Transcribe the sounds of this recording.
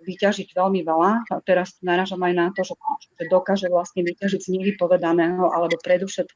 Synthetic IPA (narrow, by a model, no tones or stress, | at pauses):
ʋicaʒiɟʋɛlmiʋɛlat̪ɛɾasnaɾaːʒamajnat̪ɔʒɛʒɛd̪ɔkaːʒɛʋlast̪ɲɛʋicaʒiɟzɲɛʋipɔʋɛd̪anɛːɦɔʔalɛbɔpɾɛd̪ɔfʃɛt̪̚k